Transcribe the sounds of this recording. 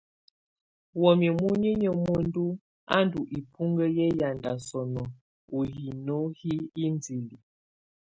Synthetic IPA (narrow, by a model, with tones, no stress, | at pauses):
wɔ˨mi˨mu˦ɲi˦ɲə˨mo˦n˦du˦ | a̰˦ndu˨ʔi˨pʰu˦ŋɡə˦jɛ˦ja˨nda˨sɔ˨nɔ˨ | o˨ɦi˨no˦hi˦i˦nd͡zi˨li˨